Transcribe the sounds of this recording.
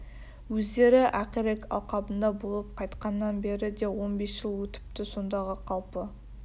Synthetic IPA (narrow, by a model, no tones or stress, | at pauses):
wɵzd̪e̞ɾɪʔæqiɾekɑ̰lˠqɑbənd̪ɑbolˠəp̚qʰɑjt̪qɑnːɑnbe̞ɾɪd̪e̞wo̞nbe̞sʒ̥əlˠwɵt̪ɪ̥p̚t̪ɪso̞nd̪ɑʁəqʰɑlˠpə